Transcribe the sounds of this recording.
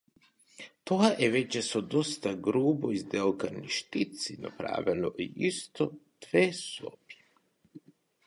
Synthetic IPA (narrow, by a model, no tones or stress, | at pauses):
t̪oɡaʔeʋet͡ʃesod̪ost̪aɡɾuːboizd̪elkaniʃt̪it̪sina̰pɾa̰ːʋɛlo̰ʔḭist̪ot̪ʋeːso̰pi̥